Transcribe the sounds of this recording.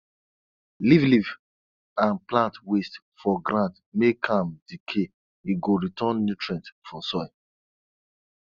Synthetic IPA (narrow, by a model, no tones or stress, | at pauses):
livliv | ãnplãntwest | fɔɡɾãnt | mekʰãmdikʰe | iɡoɹitʰɔ̃nːutɹɛ̃ntfɔsɔɪ